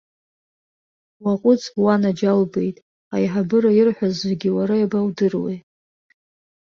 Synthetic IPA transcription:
waqʷʼʊt͡sʼwanad͡ʒalbe̞jtʼ | a̰jħabɨɾajɪrħʷᶣazzeɡʲɪwaɾajabawdɨrwḛj

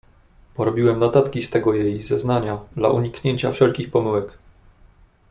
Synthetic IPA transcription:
pɔɾɔbʲiwɛmnɔt̪at̪kʲist̪ɛɡɔjejzɛznaɲad̪la̰ʔuɲikɲeɲt͡ɕafʂɛlkʲixpɔmɘwɛk

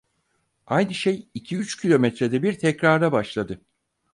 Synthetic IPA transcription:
ajnɯʃejicʰiyt͡ʃcʰilʲo̞mɛt̪ɾed̪ɛbiɾt̪ʰɛcɾaɾlˠabaʃlˠad̪ɯ

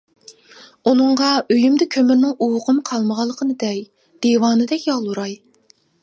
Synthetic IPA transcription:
unɨɴʁɑøjymd̪ɛkʲʰømyɾnɪŋuwʊqəmqʰɑlˠməʁɑlˠːəqʰənɨd̪ɛk | d̪̥ewɑːnɨd̪ɛkʲjɑlˠuɾɑj

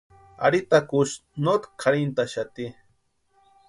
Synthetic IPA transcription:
a̰ɽit̪akuʃnot̪kʰaɾint̪aʃat̪i

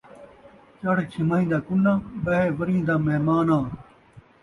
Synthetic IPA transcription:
t͡ɕɐɽt͡ɕʰimaːĩːd̪aːkulːãːbɐɦeːʋɐɾĩːd̪aːmeɦmaːnãː

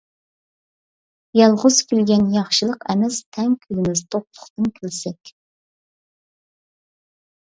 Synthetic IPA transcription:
jɑlˠʁʊz̥kʲʰylɡʲɛnjɑχʃɨlˠəqɛmɛst̪ʰɛŋkʲʰylɪmɪzt̪ʰop̚lˠʊ̥χt̪ɨnkʲʰylsɛkʲ

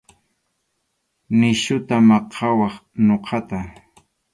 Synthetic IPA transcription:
nɪʃʊt̪amɑqʰɑwɑχnoqʰɑt̪a

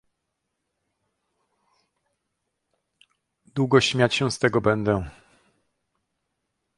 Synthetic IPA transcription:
d̪wuɡɔɕmʲjat͡ɕɕɛ̃st̪ɛɡɔbɛnd̪ɛ

